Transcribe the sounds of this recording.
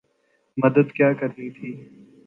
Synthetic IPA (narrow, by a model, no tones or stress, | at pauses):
məd̪əd̪kjaːkəɾniːt̪ʰiː